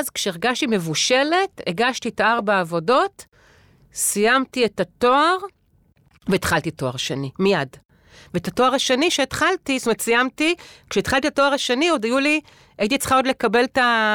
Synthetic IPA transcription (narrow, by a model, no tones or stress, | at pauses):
zkʃeeʁɡaʃtime̞vuʃe̞le̞teɡaʃtitaaʁbaavo̞do̞t | sijamtietatoaʁ | veːt̪χaltiato̞aʁʃenimijad | veetato̞aʁaʃeniʃeːt̪χaltist̪umatsijamtikʃeːt̪χalt̪itato̞aʁaʃenio̞dajuli | ajit̬it͡sχao̞dle̞kabe̞lta